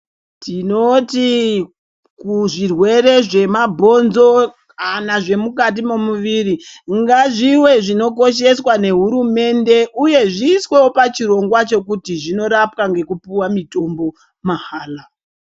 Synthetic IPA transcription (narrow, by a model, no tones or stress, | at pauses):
tinoti | kuʐirwe̞ɾe̞ʐe̞mabʱo̞nzo̞ | anaʐe̞mukat̬imo̞muʋiɾiŋɡaʐiwe̞ʐino̞ko̞ʃ̬e̞swane̞ɦuɾume̞nde̞ʔuje̞ʐiːswe̞wopat͡ʃiɾo̞ŋɡwat͡ʃo̞kutiʐino̞ɾap̚kaŋɡe̞kupuwamito̞mbo̞ | maɦaːla